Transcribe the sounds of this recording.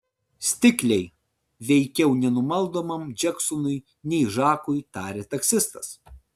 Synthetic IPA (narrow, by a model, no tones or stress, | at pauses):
sʲt̪ʲɪklʲɛɪ | ʋʲɛɪkʲɛʊnʲɛnʊmɐlˠd̪oːmɐmd͡ʒʲɛksʊnʊj | nʲɛɪʒɑːkʊjt̪ɑːɾʲet̪ɐkʲsʲɪst̪ɐs